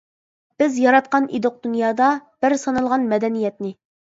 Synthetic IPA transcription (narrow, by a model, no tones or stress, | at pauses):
b̥ɪzjɑɾɑt̪̚qɑnʔid̪ʊq̚d̪unjɑːd̪ɑb̥ɪɾsɑnɑlˠʁɑnmɛd̪ɛnijɛt̪nɪ